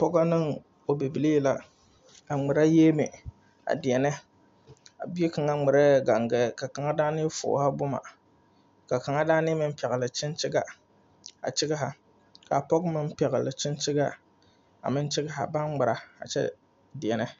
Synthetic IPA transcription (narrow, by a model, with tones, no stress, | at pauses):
pɔ˦ɡa˦nɨ˦ŋ | o˨bi˨bi˨le˦˨la˨ | a˨ŋ͡mɨ˨ɾa˦jeː˦mɪ˨ | a̰˨di˨ɛ˨nɛ˦ | a̰˨bi˦e˦ka˨ŋa˦ŋ͡mɨ˨ɾa˦˨ɡa˨ŋɡɛ˨ka˨ka˨ŋa˦daː˦nɪ˦fʊ̰˨ha˦bʊ˦ma̰˨ | ka˨ka˨ŋa˦daː˦nɪ˦mɨ˦m̩˦pɛ˨ɣɨ˨lɨ˨t͡ʃɪ˦nt͡ʃɪ˦ɡa˨ | a̰˨t͡ʃɪ˦ɡa˦ɦa˨ | ka˨pɔ˦ɡmɨ˦m˦pɛ˨ɣɨ˨lɨ˨t͡ʃɪ˦nt͡ʃɪ˦ɡa˦ | a̰˨mɨ˦nt͡ʃɪ˦ɡa˦ɦa̰˨ba˦nŋ͡mɨ˨ɾa˨a̰˨t͡ʃɛ̰˦ | di˨ɛ˨nɛ˦